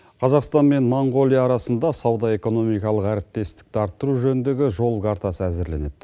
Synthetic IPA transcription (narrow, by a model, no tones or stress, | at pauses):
qʰɑzɑqst̪ɑnme̞nmoɴɡo̞lʲˠijɑːɾɑsənd̪ɑsɑwd̪ɑe̞ko̞no̞mijkɑlˠəqæɾɪp̚t̪e̞st̪ɪ̥k̚t̪ɑɾt̪ːəɾuʒɵnɪnd̪e̞ɡʲɪʒo̞lˠɡɑɾt̪ɑsəæzɪɾle̞̰ned̪̥